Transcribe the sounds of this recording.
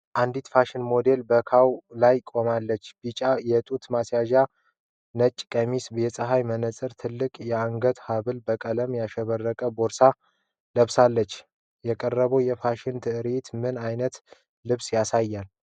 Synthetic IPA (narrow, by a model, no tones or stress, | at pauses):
ʔand̪it̪faʃɪnmo̞d̪e̞lbəkʰawlajkʼo̞malːət͡ʃːb̥it͡ʃʼajɛt̪ʼut̪masjaʒa | nət͡ʃʼːkʼəmisbjɛsʼəɦajmənəsʼɨɾt̪ʰɨlːɨkʼjɛaŋɡət̪haβɨlbəkʼələmjaʃɛβərːəkʼəboɾsa | ləβsalːət͡ʃː | jɛkʼərːəβowjɛfaʃɪnt̪ʰɨʔɨɾet̪mɨnajnət̪ | lɨβsjasajːal